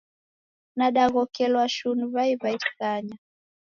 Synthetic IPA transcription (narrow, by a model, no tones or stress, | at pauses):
naɗaɣɔkɛlwaʃunvaivaitkaɲa